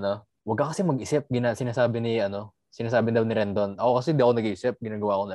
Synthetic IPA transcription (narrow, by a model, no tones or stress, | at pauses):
ɐno | wɐɡ̚kɐkɐsɛmɐɡʔɪsɪp̚ɡɪnasɪnaːsaːbɪnɪʔɐno̞ | sɪnaːs̬aːbɪnd̪ɐwnɪɾɛnd̪onʔɐokɐsɛɪnd̪iɐko̞nɐɡʔiːsɪp̚ɡɪnaːɡɐwaʔɐko̞nɐ